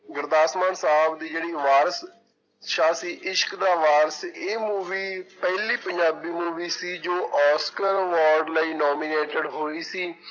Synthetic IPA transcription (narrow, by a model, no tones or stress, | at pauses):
ɡəɾd̪aːsmãːnsaːbd̪iːd͡ʒeːɽiːʋaːɾəs | ʃaːsiːʔɪʃə̥kd̪aːʋaːɾəseːmuːʋiːpɛɦliːpəɲd͡ʒaːbiːmuːʋiːsiːd͡ʒoːʔɔːskəɾʋɔːɾɖləiːnɔːmiːneːʈəɖɦoːiːsiː